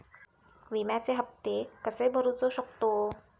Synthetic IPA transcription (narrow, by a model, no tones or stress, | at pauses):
ʋimjat͡seɦəpt̪ekəsebʱəɾut͡soɕəkt̪o